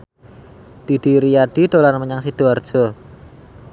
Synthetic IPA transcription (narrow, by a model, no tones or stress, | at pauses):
d̪̥id̥i̤ɾijaɖ̥id̪̥olarməɲaŋsid̪̥oard̥ʒ̥ɔ